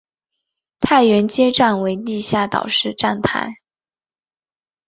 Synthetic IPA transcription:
t̪ʰa˥˩ɪɥɛ˧˥nt͡ɕjɛ˥ʈ͡ʂa˥˩nwe˧˥ɪni˥˧ɕja˥˩t̪ɑ̰˨˩ʊʂɻ̩˥˧ʈ͡ʂa˥˩nt̪ʰa̰˥˩ɪ

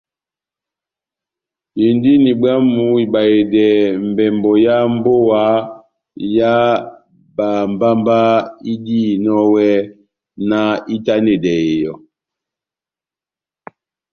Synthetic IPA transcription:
ji˨ndi˦ni˨ba˦mu˨˦i˨ba˨e˨dɛ˨m̩˨bɛ˨mbɔ˨ja˦m˦bo˦wa˨˦ | ja˦ | ba˨m˨ba˦mba˦i˦di˦˨nɔ˦wɛ˦ | na˦i˦ta˦ne˨dɛ˨e˨jɔ˨

